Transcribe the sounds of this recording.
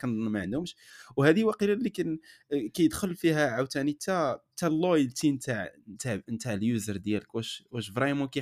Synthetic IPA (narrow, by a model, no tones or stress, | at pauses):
kænd̪ˤnmaʕənd̪ʊmʃwhæd̪iwæqiɾælːikænkæjəd̪xəlfiɦæʕawt̪ænit̪æt̪ælːojəlt̪int̪aʕnt̪aʕnt̪aʕəljuzəɾˤd̪jæləkwæʃwæʃvɾˤɑmukæ